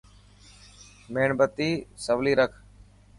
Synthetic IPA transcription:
meːɳbət̪iːsəʋliːɾəkʰ

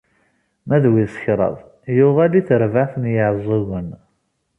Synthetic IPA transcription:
mæðwiðsə̥çɾˤɑ̰ðˤ | jʊʁæliθəɾvaθənjəʕzˤoɣən

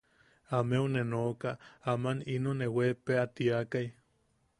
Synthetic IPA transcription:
ameunenokaamaninonːewepeat̪iakaj

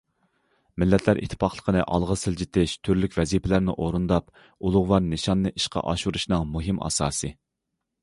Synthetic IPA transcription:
mɪlːɛt̪ʰlæɾʔḭt̪ʰːɨ̥pʰɑχlˠə̥qʰənɨʔɑlˠʁəsɪld͡ʒit̪ʰɪʃt̪ʰyɾlykʲvɛzipʰɪlæɾnɪ̰ʔoɾund̪ɑp̚ | ulˠʊʁwɑɾnɨʃɑnːɨʔiʃqʰɑ̰ʔɑʃuɾuʃnɨŋmuɦɪmʔɑ̰ːsɑ̰ːsɨ

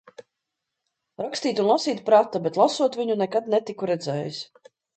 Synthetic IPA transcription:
ɾakst̪iːt̪ʲunlˠasiːt̪pɾat̪ːabɛt̪lˠasuɔt̪vʲiɲunɛkad̪̚nɛt̪ikuɾɛd̪zɛːjis

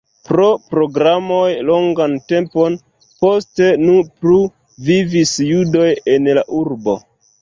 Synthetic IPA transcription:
pɾo̞pɾo̞ɡɾamojlo̞ŋɡante̞mpo̞n | po̞ste̞nuplu | vivisjudo̞je̞nlaʔuɾbo̞̰

